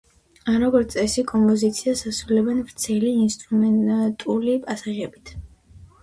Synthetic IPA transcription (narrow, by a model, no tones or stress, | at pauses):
aɾɔɡɔɾt̪sʼɛsikʼɔmpʼɔzit̪sʰiasasɾulɛbɛnvɾt̪sʰɛliːnst̪ʼɾumɛnt̪ʼulipʼasaʁɛbit̪ʰ